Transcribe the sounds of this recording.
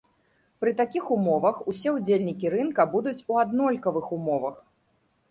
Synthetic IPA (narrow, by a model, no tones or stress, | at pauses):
pɾɨt̪akʲixumɔvɐxusʲɛud͡zʲelʲnʲikʲiɾɨnkɐbud̪ut͡sʲuad̪nɔlʲkɐvɨxumɔvɐx